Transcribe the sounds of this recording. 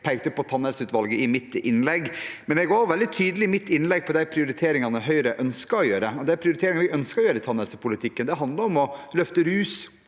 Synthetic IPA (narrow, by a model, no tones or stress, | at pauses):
pʰæɪkt̪əpʰɔt̪ʰɑnːɛlsəʉːt̪ʋɑlɡəɪmɪt̪ːɪnːlɛɡːmɛnɛɡoːɔʋɛld̪ɪt̪ʰyːd̪əlɪmɪt̪ːɪnlɛɡ̚pʰɔd̪æɪpʰɾɪʊɾɪt̪ʰeːɾɪŋɑnəɦœʏɾəʔœnskɑɾɔjøːɾəɔd̪æpʰɾɪʊɾɪt̪ʰeːɾɪŋɑnʋɪʔœnskɑɾɔjøːɾəɪt̪ʰɑnɛlsəpʰʊlɪt̪ʰɪkːənd̪ɛɦɑnd̪lɑɾɔmɔlœft̪əɾʉːs